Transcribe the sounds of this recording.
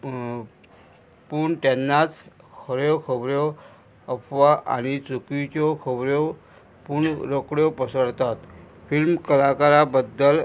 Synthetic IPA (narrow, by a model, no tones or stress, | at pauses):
puɳʈɛ̃nːat͡skʰəɾjɔkʰəbɾjɔ | əpʰʋaʔa̰ñit͡sukit͡ɕɔkʰəbɾjɔ | puɳɾokɽjɔpəsəɽt̪at̪ | filmkəlakaɾabəd̪ːəl